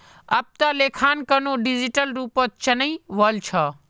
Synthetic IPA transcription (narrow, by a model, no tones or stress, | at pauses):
ɐb̚t̪ɐleːkʰaːnkənoɖid͡ʒiʈəlɾuːpət̪̚t͡ʃɐnəĩʋəlt͡ʃʰɐ